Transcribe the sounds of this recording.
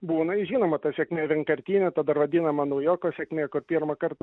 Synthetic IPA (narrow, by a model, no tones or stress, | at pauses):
buːnɐɪʒʲiːnoːmɐt̪ɐsʲɛkmʲeːʋʲɛŋkɐɾʲt̪ʲiːnʲɛt̪ɐd̪ɐrʋɐd̪ʲiːnɐmɐnɐʊjoːkoːsʲɛkmʲeːkʊrpʲiːrmɐkɐrt̪ɐ